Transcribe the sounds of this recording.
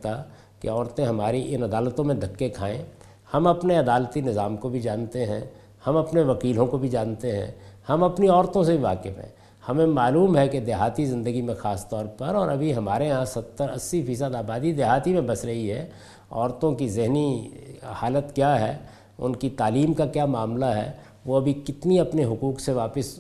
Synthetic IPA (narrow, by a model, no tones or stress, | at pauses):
t̪a | kḛɔːɾt̪ẽɦɐmaːɾiʔɪnɐd̪aːlt̪õmẽd̪ʱɐkːekʰaːḛ̃ | hɐmɐpneɐd̪aːlt̪inɪzaːmkobʱid͡ʒãːnt̪eɦɛ̰̃ | hɐmɐpneʋɐkiːlõkobʱid͡ʒãːnt̪eɦɛ̰̃hɐmɐpniɔːɾt̪õsebʱiʋaːkɪfɦɛ̰̃ | hɐmẽmaːluːmɦɛked̪eɦaːt̪izɪ̃nd̪əɡimẽxaːst̪ɔːɾpɐɾɔːɾɐbʱiɦɐmaːɾeɦãsɐt̪ːəɾɐ̰sːifiːs̬əd̪aːbaːd̪id̪eɦaːt̪imẽbɐsɾɐɦiɦɛ | ɔːɾt̪õkizɪɦni | haːlət̪kjaːɦɛː | ʊ̰nkit̪aːliːmkakjaːmaːmlaɦɛ̰ | ʋoɐbʱikɪt̪niɐpneɦʊkuːkseʋaːpɪs